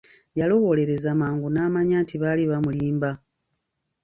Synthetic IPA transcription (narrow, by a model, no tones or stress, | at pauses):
jalo̞ɣo̞le̞ɾe̞zamaːŋɡunaːmaɲaːntiβaliβamuliːmba